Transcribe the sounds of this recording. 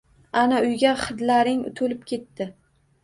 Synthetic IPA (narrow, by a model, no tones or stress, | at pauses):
anaʊjɡʲaχɨd̪laɾɪŋʊ̰t̪ʰʊlɪpkʲʰe̞t̪ːɪ